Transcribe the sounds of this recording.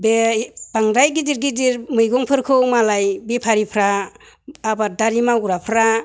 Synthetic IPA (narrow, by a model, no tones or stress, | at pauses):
bebaŋdajɡidiɾɡidiɾmɯjɡɔŋpʰɯɾkʰɯwmalajbipʰaɾipʰɾaː | badaɾimaɡuɾapʰɾa